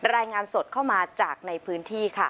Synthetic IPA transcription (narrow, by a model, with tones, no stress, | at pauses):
ɾaː˧jŋaː˧nso˨˩t̪̚kʰa˥˩wmaː˧t͡ɕaː˨˩k̚na˧jpʰɯː˨˦˥nt̪ʰiː˥˩kʰa˥˩